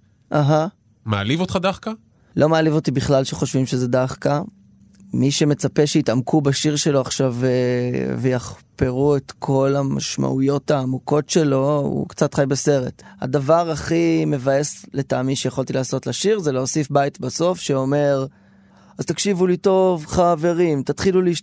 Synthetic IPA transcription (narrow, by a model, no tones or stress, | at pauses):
ʔaɦa | maa̰livot̪χadaχka | lʔo̞mealivo̞tibiχlalʃeχo̞ʃvimʃe̞zedaχka | miʃe̞me̞t͡sape̞ʃeitamkʰubaʃiʁʃe̞lo̞aχʃavevejaχpe̞ʁuet̪kʰo̞lama̰ʃma̰ʔujo̞taːmuko̞tʃe̞lo̞ṵkt͡satχajbese̞ʁe̞tha̰davaʁaχime̞vajesletaːmiʃejaχolt̪ilaːso̞tlaʃiʁzeleosifbajtbaso̞fʃeo̞me̞ʁ | azt̪akʃivulito̞vχave̞ʁimtat̪χiluliiʃ